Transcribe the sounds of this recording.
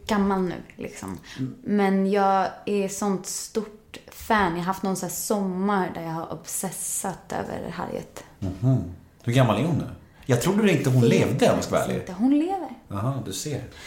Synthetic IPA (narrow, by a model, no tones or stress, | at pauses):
ɡ̥amːalnʉ̟̰ːlʔɪ̰ksɔ̰mmɛnjɑːɡæɾsɔnt̪st̪uʈfæːnjɑaɦaft̪nɔnsæːsɔmːaɾd̪æɾjɑːɡhaɾʔɔ̰bsɛsat̪ø̰ːvə̰ɾɦa̰ɾjə̰t̪̩ | hm̩ː | hɵɾɡamːalæɾhʊnːʉ̟ː | jɑɡt̪ʰɾuːɖ̪ɵɪnt̪əɦʊnleːvd̪əmɔskvɛ̰l̰əɦʊnleːvəɾahɑːd̪ɵseːɾ